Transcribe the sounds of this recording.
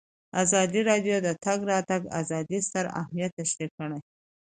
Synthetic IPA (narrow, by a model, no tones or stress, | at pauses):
azɑd̪iɾɑɖjod̪ət̪aɡɾɑt̪aɡa̰zɑd̪ist̪əɾa̰hmijat̪ːaʃɾikəɽaj